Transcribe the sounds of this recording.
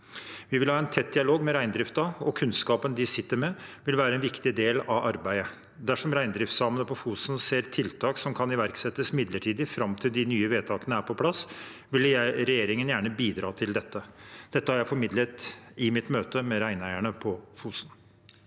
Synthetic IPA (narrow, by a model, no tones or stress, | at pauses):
ʋɪʋɪlhɑːæɪnt̪ʰɛt̪̚d̪ɪɑloːɡmɛɾæɪnd̪ɾɪft̪ɑɔkʰʉnskɑːpənd̪ɪsɪt̪ːəɾmɛʋɪlʋæːɾəɛnʋɪkt̪ɪd̪eːlɑʋɑɾbæɪə | d̪æʂɔmɾæɪnd̪ɾɪft̪sɑmənəpʰɔfuːsənseːɾt̪ʰɪlt̪ʰɑːksɔmkʰɑnɪʋæɾksɛt̪ːəsmɪd̪ləʈʰiːd̪ɪfɾɑmt̪ʰɪld̪ɪnyːəʋeːt̪ʰɑːkənəæːɾpʰɔpʰlɑsʋɪljæɪɾɛjeːɾɪŋənjæːɳəbiːd̪ɾɑːt̪ʰɪld̪ɛt̪ːəd̪̥ɛt̪ːəhɑɾjæɪfɔɾmɪd̪lət̪ɪmɪt̪møːt̪əmɛɾæɪnæɪəɳəpʰɔfuːsn